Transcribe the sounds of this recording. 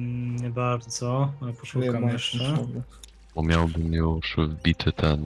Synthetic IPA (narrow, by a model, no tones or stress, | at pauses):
ɲɛbaɾd̪z̥ɔapɔʂukamjɛʂɛ | bɔmʲjawbɘmjuʂvbʲit̪ʰɘt̪ʰɛn